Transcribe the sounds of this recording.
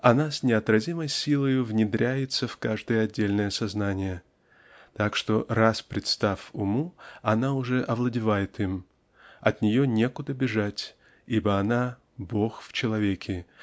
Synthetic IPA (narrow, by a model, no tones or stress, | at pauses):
ɐnasʲnʲɪɐt̪ɾɐzʲiməjsʲilˠəjʊvnʲɪd̪ɾʲʔæjɪt̪səfkaʐd̪ɨjəɐdʲːelʲnəjəsɐznanʲɪjə | t̪akʂt̪o̞raspɾʲɪt̪st̪afʊmuɐnaʊʐɛʔɐvlˠədʲɪvajɪt̪ɨm | ɐt̪nʲɪjonʲe̞kʊd̪əbʲɪʐatʲ | ibəɐna | bo̞xft͡ɕɪlˠɐvʲekʲʰɪ